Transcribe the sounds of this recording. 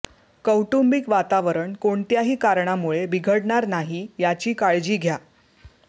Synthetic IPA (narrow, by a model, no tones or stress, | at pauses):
kəwʈumbikʋat̪aʋəɾəɳkoɳt̪jaɦiːkaɾɳamuɭebiɡʱəɽɳaɾnaɦijat͡ɕiːkaɭd͡ʑiːɡʱja